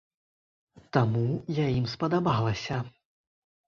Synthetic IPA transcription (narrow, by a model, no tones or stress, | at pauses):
t̪amujaimspɐd̪abalˠɐsʲɐ